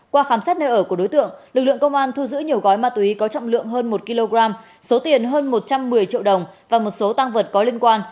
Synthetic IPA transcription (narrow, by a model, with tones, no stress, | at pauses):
kwaː˧xaː˧˩msaː˦˥t̚nəː˧ʔəː˧˩ku˧˩əɗo˨˦jt̪ɨ̰˧˨əŋlɨ˨˩lɨ̰˧˨ə˨ŋkə˧wŋ͡mʔaː˧nt̪ʰu˧zɨ̰˧˥ɲi˨˩əwɣɔ˨˦jmaː˧˩t̪wi˨˦kɔ˨˦t͡ɕɔ̰˧˨wŋ͡mlɨ̰˧˨əŋɦəː˧nmo˨˩t̚ki˧lo˧ɣɾaː˧m | so˨˦t̪i˨˩ənɦəː˧nmo˨˩t̚t͡ɕa˧mːɨ˨˩əjt͡ɕḭ˧˨wɗə˨˩wŋ͡mvaː˨˩mo˨˩t̚so˨˦t̪a˧ŋvə˨˩t̚kɔ˨˦li˧ənkwaː˧n